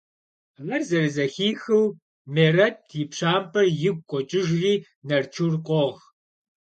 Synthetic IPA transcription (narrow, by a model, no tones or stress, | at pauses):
ʁɐrzɐɾɨzɐxiːxɨw | meːrɐtʰjɪpɕaːmpʰʼɐrjɪɡ̚ʷkʷʼɔt͡ʃʼɪʒriː | nɐrt͡ʃʰurqʷʼɔʁ